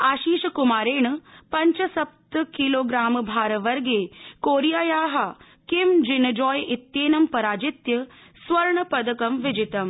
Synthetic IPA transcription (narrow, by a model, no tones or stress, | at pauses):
aːʃiːʃɐkumaːɾeːɳpɐɲt͡ʃɐsɐp̚t̪kiloːɡɾaːmbʱaːɾɐʋɐɾɡeːkoːɾijaːjaːɦɐ | kimd͡ʒɪnɐd͡ʒɔːjʔit̪jeːnɐmpɐɾaːd͡ʒɪt̪jɐ | sʋɐɾɳəpɐd̪ɐkɐmʋɪd͡ʒit̪ɐm